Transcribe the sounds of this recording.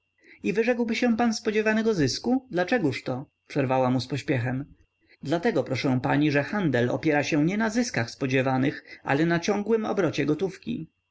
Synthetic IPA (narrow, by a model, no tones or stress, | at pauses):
ivɘʐɛkwbɘɕɛ̃panspɔd͡ʑɛvanɛɡɔzɘskud̪lat͡ʂɛɡuʂt̪ɔ | pʂɛɾvawamuspɔɕpʲjɛxɛm | d̪lat̪ɛɡɔpɾɔʂɛ̃w̃paɲiʐɛxand̪ɛlɔ̰pʲjɛɾaɕɛ̃ɲɛnazɘskaxspɔd͡ʑɛvanɘxʔa̰lɛnat͡ɕɔ̃ŋɡwɘmɔ̰bɾɔt͡ɕɛɡɔt̪ufkʲḭ